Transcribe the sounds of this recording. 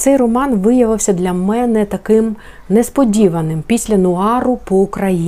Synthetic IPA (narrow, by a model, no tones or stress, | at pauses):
t̪sɛjrɔmɑnʋɪjɐʋɪwsʲɐd̪lʲɐmɛnɛt̪ɐkɪm | nɛspɔdʲiʋɐnɪmpʲisʲlʲɐnʊɑɾʊpɔʊkɾɐji